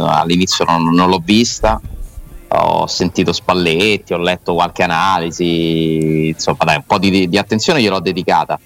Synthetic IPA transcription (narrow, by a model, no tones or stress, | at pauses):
a̰lːinit̪sːjononːolɔvːist̪a | ɔ̰sːent̪iːt̪ospalːet̪ːiɔlːɛt̪ːokwalk̟eanaːlizi | nsomːad̪ajumpɔd̪id̪iat̪ːent̪sjoːnejelɔd̪ːed̪ika̰ːt̪a